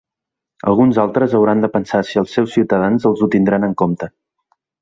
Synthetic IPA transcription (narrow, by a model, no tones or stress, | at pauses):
ə̰lˠɣunzalˠt̪ɾəzəwɾand̪əpənsasiəlˠsːɛwsːiwt̪əðanzəlˠzut̪ind̪ɾanəŋkomt̪ə